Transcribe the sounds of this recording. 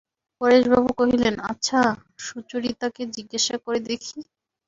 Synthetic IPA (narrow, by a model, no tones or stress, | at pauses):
kɔɾed͡ʑbʱabukoɦilena̰tːɕʰaʃut͡ɕoɾit̪aked͡ʑiɡːaʃakoɾed̪ekʰi